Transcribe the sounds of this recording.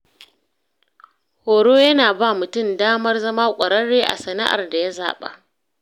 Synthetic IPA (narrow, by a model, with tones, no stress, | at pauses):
hoː˨ɽoː˦jɐ˦naː˨ba˦˨mʊ˨tʊ˦˨mdaː˦mɐ˦rzɐ˦maː˦kʷʼɐ˨ɽɐ˦ɽːeː˦ʔa̰˨sɐ˨na̰˦ʔa̰˨rda˨ja˦za̰ː˨ɓa̰˦ʔ